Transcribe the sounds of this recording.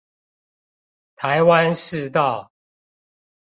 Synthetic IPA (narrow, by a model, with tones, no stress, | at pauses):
t̪ʰa˨˦ɪwa˦nʂɻ̩˥˧t̪ɑ˥˨ʊ